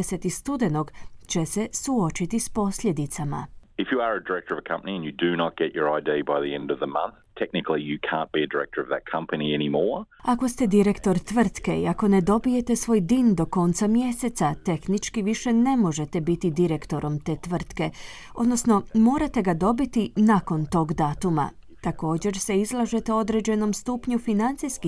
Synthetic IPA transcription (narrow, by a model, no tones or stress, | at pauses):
eset̪ist̪ud̪eno̞ɡt͡ɕe̞se̞suo̞t͡ʃit̪ispo̞sʎʲje̞d̪it̪sama̰ɨfjəə˞ɨdə˞ɛk̚tə˞ʌvəkʰʌ̃mpəniɨ̃njɨdɨnət̚ɡ̥ɛt͡ʃə˞aɪdibaɪðiɛ̃ndʌvðəmɐ̰̃nθtʰɛk̚nɪkl̩ˠijɨkʰæ̰̃nb̥iɨdə˞ɛ̰k̚tʰə˞ʌvðɨ̰t̚kʰʌ̃mpɨniɛñimɔɹako̞st̪e̞d̪iɾe̞kt̪o̞ɾt̪ʋr̩t̪ke̞ḭako̞ned̪o̞bije̞t̪esʋo̞ːjd̪iːnd̪o̞ko̞ːnt̪samje̞set̪sat̪e̞xnit͡ʃkiʋiʃe̞ne̞mo̞ʒe̞t̪ebit̪id̪iɾe̞kt̪o̞ɾʔo̞mt̪e̞ːt̪ʋr̩t̪ke̞ | o̞d̪no̞sno̞mo̞ːɾat̪e̞ɡad̪o̞bit̪inako̞nt̪o̞ːɡd̪aːt̪uma̰ | t̪ako̞ːd͡ʑe̞ɾse̞izlˠaʒe̞t̪eo̞d̪ɾed͡ʑe̞no̞mst̪uːpɲufinant̪sijski